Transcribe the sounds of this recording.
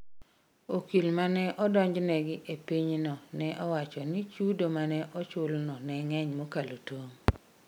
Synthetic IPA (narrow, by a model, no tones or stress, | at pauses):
okilmanɛʔɔdɔɲd͡ʒnɛɡɪʔepiɲnɔnɛʔɔwat͡ʃɔnit͡ʃudomanɛʔɔt͡ʃʊlnɔnɛŋɛɲmokalotoŋ